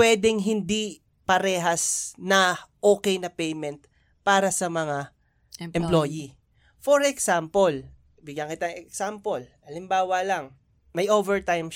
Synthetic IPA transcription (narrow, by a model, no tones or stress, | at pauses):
wɛːd̪ɛŋɦɪnd̪i | pɐɾɛːɦɐsnɐʔoːkɛjnɐpɛjmɛnt̪̚ | paːɾɐsɐmɐŋa | ɛmploji | foɹɛksampol | bɪɡjɐŋkɪt̪aŋɛksampolʔɐlɪmbaːwɐlɐŋ | mɐjʔovɛɹt̪ajm